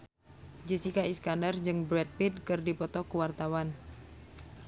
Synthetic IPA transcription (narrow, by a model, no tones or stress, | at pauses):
d͡ʒəsikaiskandərɲd͡ʒɨŋbɾɛt̪̚pit̪̚kɨrdipɔt̪ɔkuwart̪awan